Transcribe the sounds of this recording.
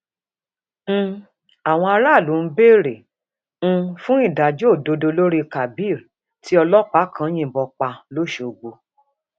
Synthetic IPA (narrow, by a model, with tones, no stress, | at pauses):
a˨w̃ɔ̃˧a˧ɾa˦˨lu˨˦˧be˦˨ɾẽ˨˦ | fũ˦i˦˨da˨d͡ʒo˦˨do˨˧do˧lo˦ɾi˦ka˨bi˦˨ɾ | ti˦ɔ˧lɔ˦k͡pa˦kʰã˧˦j̃ĩ˦˨bɔ˧k͡pa˧lo˦˨ʃo˨ɡ͡bo˧